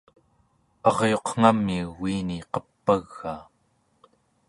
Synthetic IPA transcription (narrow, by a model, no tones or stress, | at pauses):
ɑʁjo̞qŋ̥amːiuːiːniqʌpːaɣːaː